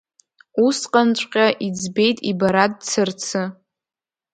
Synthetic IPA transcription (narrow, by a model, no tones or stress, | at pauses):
usqʼant͡ʃʷʼqʲʼaʔid͡zbe̞jtʼibaɾadt͡sʰɨrt͡sʰɨ